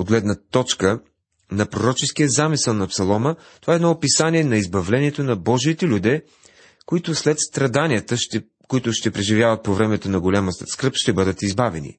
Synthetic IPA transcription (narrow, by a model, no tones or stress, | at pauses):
od̪ɡlɛd̪nət̪ɔt͡ʃkə | nɐpɾoɾɔt͡ʃɛskijəzamisəlˠnɐpsɐlˠɔmə | t̪ovaɛd̪nɔːpisaniɛnɐizbɐvlɛniɛt̪onɐbɔʒit̪ɛlʲud̪ɛ | koit̪ʊslɛt̪st̪ɾɐd̪anijət̪əʃ | koit̪ʊʃt̪ɛpɾɛʒivʲjavɐt̪̚povɾɛmɛt̪onɐɡolʲaməskɾɤpʃt̪ɛbɤd̪ət̪izbavɛ̰nḭ